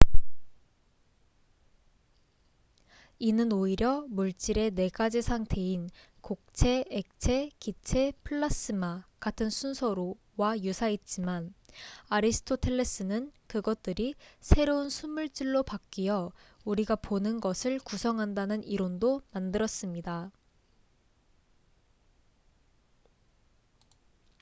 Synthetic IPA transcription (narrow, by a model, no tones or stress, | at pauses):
inɯnoiɾjʌmuɭt͡ɕ͈iɾe̞ne̞ɡad͡ʑisʰaŋtʰe̞in | kok̚t͡ɕʰe̞ek̚t͡ɕʰe̞kit͡ɕʰe̞pʰɯɭːas͈ɯmakatʰɯnsʰunsʰʌɾo | wajusʰait̚t͡ɕ͈imanaɾisʰɯ̥tʰotʰe̞ɭːes͈ɯnɯnkɯɡʌt̚t͈ɯɾisʰe̞ɾounsʰumuɭt͡ɕ͈iɭːopak̚k͈ijʌ | uɾiɡaponɯnɡʌsʰɯɭkusʰʌŋɦandanɯniɾondomandɯɾʌs͈ɯmɲida